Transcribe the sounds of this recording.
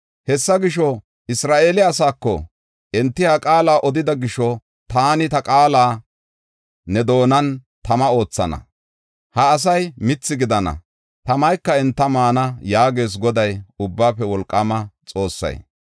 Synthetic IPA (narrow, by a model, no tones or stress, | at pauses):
hɛsːɐɡɪʃɔ | ɪsɾaːʔe̞ːlɪɐs̬aːkːɔ̰ | ʔɛnt̪ːɪhɐkʼaːlaːʔɔd̪ɪd̪ɐɡɪʃɔ | t̪aːnɪt̪ɐkʼaːlaː | nɛd̪o̞ːnɐn | t̪ɐmɐo̞ːt͡sːɐ̰nɐ̰ | hɐːs̬ɐjmɪt͡sːɪɡɪd̪ɐnɐ̰ | t̪ɐmɐjkːɐɛnt̪ːɐmaːnɐjaːɡe̞ːs̬ɡɔd̪ɐjʊbːaːpːɛwɔlkʼːɐmɐt͡sʼo̞ːsːɐ̰j